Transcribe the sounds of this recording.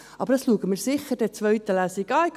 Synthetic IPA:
ʔɑb̥əɾdɑsluəɡəmɪːɾsɪχːəɾd̥ɛt͡sʋœɥt̪əlæːsiɡɑːɪk

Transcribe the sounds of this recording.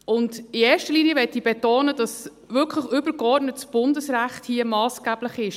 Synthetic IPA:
ʊndieːɾʃtəliːnjəʋɛtib̥ɛtoːnəd̥ɑs | vʏkʰləχʏbəɾkɔɾdnətsb̥ʊndəsɾæχthiəmɑːsɡ̥æb̥ləχɪʃ

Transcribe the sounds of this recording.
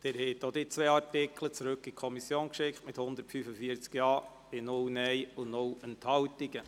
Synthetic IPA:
d̥ɪɾhɛːt̪ːod̪it͡sʋeːɑrtɪkʰlət͡sɾɵkːikʰɔmisjoːnkʃɪkχtmɪthʊnd̪əɾtfyfəfiːəɾt͡skjɑː | ɪnʊlnɛɪʊnʊlənthɑwt̪ɪɡə

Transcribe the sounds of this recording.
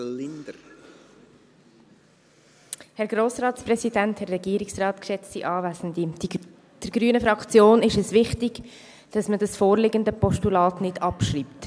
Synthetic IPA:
lɪnd | hɛɾɡɾoːsrɑːtsprɛsidɛnthɛɾɛɡiːɾɪksrɑːt̪kʃɛt͡stiʔɑːvæːsəndi̥ | d̥əɾɡ̥ɾyːənəfɾɑkt͡sjoːnɪʃɛsvɪχtɪɡ̥ | d̥ɑsmədɑsfoːɾlɪɡəndəpɔʃtulɑːtnɪdɑpʃriːpt

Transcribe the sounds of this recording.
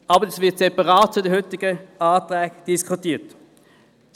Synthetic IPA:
ɑbəɛsvɪɐtsɛpɑʁaːtt͡sʊdəhytːɪɡ̥əaːt̪ʁɛːɡ̥d̥iskʰutiːt

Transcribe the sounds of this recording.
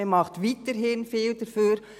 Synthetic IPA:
emɑχtʋiːtəɾɦɪnfiːld̥əɾfyːɾ

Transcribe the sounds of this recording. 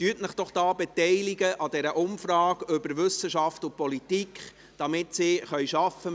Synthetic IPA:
t̪yːtnəχd̥ɔχd̥ɑːbɛtɛɪliɡəʔɑd̥ɛɾəʔʊmfɾɑːɡʏbəɾʋɵsəʃɑftʊpɔlitikχ | d̥ɑmɪt̪sɪχœjʃɑfə

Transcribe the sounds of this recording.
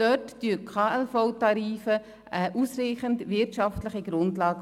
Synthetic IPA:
d̥œttyəkʰχɑːɛlfɔʊtɑɾiːfə | ʔəʔusriɪχəndʋɪrtʃɑftləχiɡɾʊndlɑːɡ

